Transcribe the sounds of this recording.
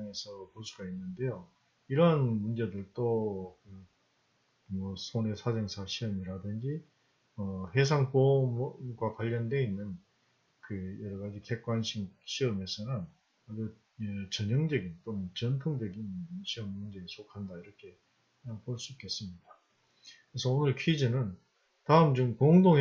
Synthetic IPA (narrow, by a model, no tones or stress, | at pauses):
ŋe̞sʰʌposʰuɡainːɯnde̞jo | iɾʌnmund͡ʑe̞dɯɭt͈okɯ | mʌsʰone̞sʰad͡ʑeŋsʰaɕʰiʌmiɾadɯnd͡ʑi | ʌɸes̬ʰaŋkomɡwakwaɭːjʌnde̞inːɯn | kɯjʌɾʌɡad͡ʑikek̚k͈wanɕʰiɕʰiʌme̞sʰʌnɯn | ɡɯ | t͡ɕʌɲʌŋd͡ʑʌɡint͈omʌt͡ɕʌntʰoŋd͡ʑʌɡinɕʰiʌmːund͡ʑeisʰokʰandaiɾʌkʰe̞ | kɯɲaŋpoɭs͈uik͈e̞s͈ɯmɲida | kɯɾesʰʌonɯɭkʰid͡ʑinɯn | taɯmt͡ɕomkoŋdoŋe